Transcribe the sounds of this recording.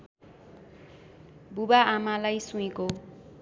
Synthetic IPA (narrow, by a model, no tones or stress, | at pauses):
bubaamalajsũiko